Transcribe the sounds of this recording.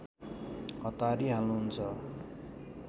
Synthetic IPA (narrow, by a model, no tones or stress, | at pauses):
ɦʌt̪aɾiɦalnuɦunt͡sʰʌ